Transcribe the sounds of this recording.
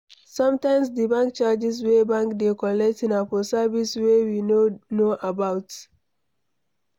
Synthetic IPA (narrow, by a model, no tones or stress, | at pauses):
sãmtãɪ̃msdəbãŋk̚t͡ʃad͡ʒiswebãŋkdekɔlɛk̚tĩnapɔsaviswewionoʔabaʊt